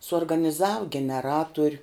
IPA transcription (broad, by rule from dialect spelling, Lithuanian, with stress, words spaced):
suɔrɡɐnʲɪˈzɐw ɡʲɛnʲɛˈrɑːtʊrʲ